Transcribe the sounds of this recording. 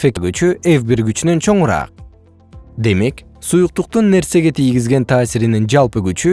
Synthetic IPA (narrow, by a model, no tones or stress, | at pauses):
fekɡyt͡ʃyʔevbiɾɡyt͡ʃynø̞nt͡ʃʰo̞ɴuɾɑ̰ːq̚ | d̪e̞me̞ksujuq̚t̪uq̚t̪unːe̞ɾse̞ɡe̞t̪ʰijɡizɡe̞nt̪ʰaːsiɾinind͡ʒɑlˠpɯɡyt͡ʃy